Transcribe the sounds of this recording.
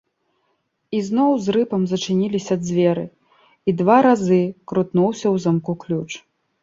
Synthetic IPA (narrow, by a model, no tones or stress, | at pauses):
iznɔwzrɨpɐmzɐt͡ʂɨnʲilʲisʲɐːd̪zʲvʲɛɾɨ | id̪vaɾazɨkɾut̪nuwsʲɐwzamkuklʲut͡ʂ